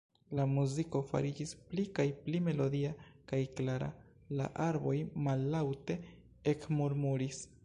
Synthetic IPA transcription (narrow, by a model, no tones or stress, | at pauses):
lamuziko̞fa̰ɾid͡ʒisplikajplime̞lo̞diakajklaɾa̰ | la̰ʔaɾbo̞jmalːawte̞ | ekmuɾmuɾis